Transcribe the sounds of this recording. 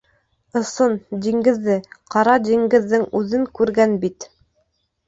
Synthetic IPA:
ɤ̆sɤnd̪iŋɡɘ̆ðːɘqɑɾɑd̪iŋɡɘ̆ðːɘŋʉðɘŋkʉɾɡænbit̪

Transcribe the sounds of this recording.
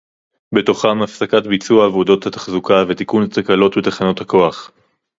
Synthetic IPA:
be̞to̞χamafsakatbit͡suaːvodo̞t̪hat̪ḁχzukavet̪ikunat̪akalo̞tbetaχano̞t̪hako̞aχ

